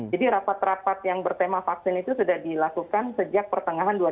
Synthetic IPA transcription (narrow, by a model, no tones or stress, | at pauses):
adiɾapat̪rapat̪̚jaŋbərt̪emafak̚sɪnit̪usudahdilakukansəd͡ʒak̚pərt̪əŋaɦandua